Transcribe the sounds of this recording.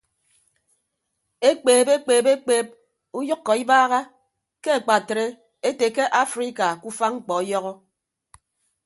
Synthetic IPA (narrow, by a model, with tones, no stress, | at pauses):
e˦k͡peː˨be˦k͡peː˨be˦k͡peː˦˨p̚ | u˦jɨ˦kːɔ˨i˦baː˦ɣa˦ | ke˦a˨k͡pa˨tɾe˦ | e˦te˨ke˦ʔa˦fɾi˦ka˨ku˦fa˦ŋ͡m̩˦k͡pɔ˨ɔ˦jɔ˦ɣɔ˦